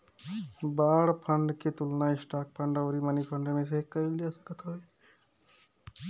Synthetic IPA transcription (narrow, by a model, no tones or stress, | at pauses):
baːɽpʰəɳɖket̪ulnaisʈaːk̚pʰəɳɖəʊɾimanipʰəɳɖmẽseɦikəilijasə̥kət̪ɦoj